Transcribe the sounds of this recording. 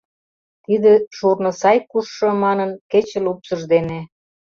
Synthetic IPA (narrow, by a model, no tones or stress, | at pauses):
t̪id̪eʃurnɤ̆sɑjkuʃːɤ̆mɑnənket͡ɕĕlupsəʒd̪ene